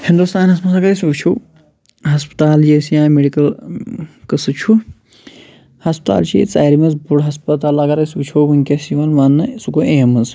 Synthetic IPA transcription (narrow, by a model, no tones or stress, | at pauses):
hind̪ust̪aːnɐsmɐsɐɡɐɾɐsʲut͡ʃʰuː | ɦɐspt̪aːljesjãːmeɖikɐl | kɐsɨt͡ʃʰu | hɐsp̚t̪a̰ːlt͡ʃʰḭt͡sa̰ːɾimɐzbuɽɦɐspɐt̪aːlɐɡɐɾɐsʲut͡ʃʰoːbuŋkʲɐsiʋɐnʋanːɐsukoʔeːmɨz